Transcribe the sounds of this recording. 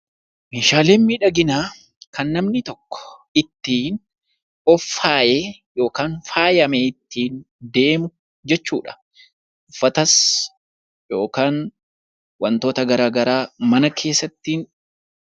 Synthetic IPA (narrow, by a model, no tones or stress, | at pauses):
meːʃaːle̞ːmmiːᶑɐɡɪnaː | kɐnːɐmnɪt̪ɔkːɔ̥ɪt̪ːiːn | ɔfːaːʔeːjo̞ːkaːnfaːjɐmeːɪt̪ːiːn | d̪e̞ːmʊ | d͡ʒɛt͡ʃːṵːᶑɐ̥ | ʊfːɐt̪ɐs | jo̞ːkaːn | wɐnt̪o̞ːt̪ɐɡɐɾaːɡɐɾaːmɐnɐkʰe̞ːsːɐt̪ːiːn